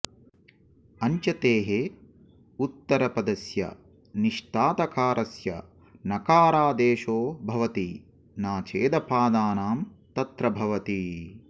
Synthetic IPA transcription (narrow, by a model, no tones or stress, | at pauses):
ɐɲt͡ʃɐt̪eːɦe | ut̪ːɐɾɐpɐd̪ɐsjɐ̰ | niʂʈ̪aːt̪ɐkaːɾʔɐsjɐ̰ | nɐkaːɾaːd̪eːʃoːbʱɐʋɐt̪i | naːt͡ʃeːd̪ɐpaːd̪aːnaːmt̪ɐt̪ɾɐbʱɐʋɐt̪i